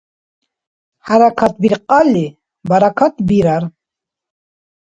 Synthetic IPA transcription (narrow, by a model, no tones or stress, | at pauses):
ħaɾakʰat̪̚biɾqʼali | baɾakʰat̪̚ʰbiɾaɾ